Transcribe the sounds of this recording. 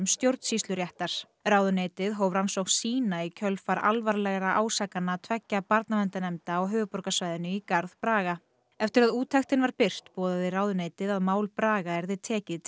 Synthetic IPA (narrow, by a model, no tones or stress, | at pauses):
mst̪jowɾt̪n̥sist̪lʏɾjɛht̪aɾ̥ | raːwðʏneːjt̪ɪðɦoːwvɾansowxsiːnaicʰœlfaɾa̰lvaɾlɛɣɾaʔaːwsakanːat̪ʰvɛcːapaɾt̪namɛnt̪anɛmt̪aːwɦœːvʏpɔɾkasvajðɪnːʏikaɾðpɾaːɣa | ɛft̪ɪɾaðuːt̪ʰɛxt̪ɪnvaɾpɪr̥t̪pɔːðaðɪraːwðʏneːjt̪ɪðaðmaːwlpɾaːɣaɛɾðɪt̪ʰɛːcɪð